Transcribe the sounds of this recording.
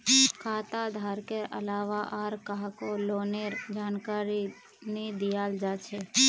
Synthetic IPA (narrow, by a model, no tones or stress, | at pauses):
kʰaːt̪ad̪ʱaːɾkeʔə̰laːʋaʔaːɾkaɦkoloːneɾd͡ʒaːnkaːɾi | nid̪ɪjaːld͡ʒat͡ʃʰe